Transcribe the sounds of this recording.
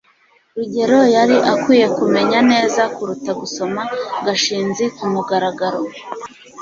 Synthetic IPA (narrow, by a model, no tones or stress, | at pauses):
ɾuɟe̞ɾo̞jaɾiʔakwiːje̞kume̞ɲane̞ːzakuɾutaɡuso̞maɡaʃiːnzikumuɡaɾaɡaɾo